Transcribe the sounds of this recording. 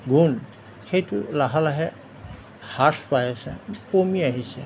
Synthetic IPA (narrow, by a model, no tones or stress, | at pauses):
ɡun | hejtulaɦalaɦɛ | haspajasɛ̰pomiaɦisɛ̰